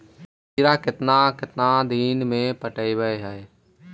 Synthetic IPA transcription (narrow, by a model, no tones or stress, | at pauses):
iɾakɪt̪nakɪt̪nad̪iːnmẽpəʈəibəeɦɛː